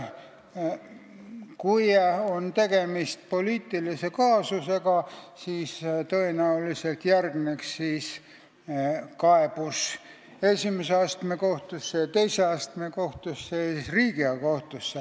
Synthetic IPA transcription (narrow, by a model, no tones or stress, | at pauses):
kujont̪e̞ɡ̥e̞mist̪̚po̞liːt̪ːˑilise̞kɑːsuse̞ɡ̥ɑsiːst̪ɤenæulise̞lt̪jærɡneksːiːs | kɑeb̥us | e̞sʲimeseɑst̪me̞ko̞ht̪usːeɑt̪ejseɑst̪me̞ko̞ht̪usːesisriːɡ̥iɑko̞ht̪usːe